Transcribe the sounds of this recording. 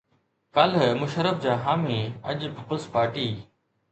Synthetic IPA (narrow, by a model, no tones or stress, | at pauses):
kaːlmʊʃəɾəfd͡ʑaːɦaːmiɐʄpiːpəlspaːɾʈiː